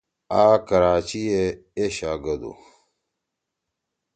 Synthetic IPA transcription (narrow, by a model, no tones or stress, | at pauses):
aːkɐɾaːt͡ɕie | eɕaːɡɐd̪o̰